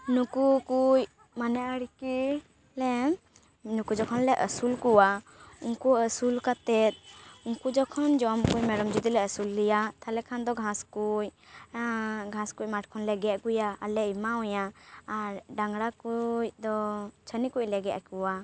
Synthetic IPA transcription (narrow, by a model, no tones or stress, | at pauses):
nukukuj | manɛʔəɽiki | lɛ | nukud͡ʒɔkʰɔnlɛʔəsulkuwa | uŋkuəsulkat̪ɛt̪̚uŋkud͡ʒɔkʰɔnd͡ʒɔmkujmɛɾɔmd͡ʒud̪ilɛəsulːijat̪ʰalɛkʰand̪ɔɡʱãskuj | ɡʱãskuc̚ˀmaʈkʰɔnlɛɡɛʔkujaalɛimaɔjaːɾɖaŋɡɽakucd̪ɔt͡ʃʰənikuc̚lɛɡɛʔkuwa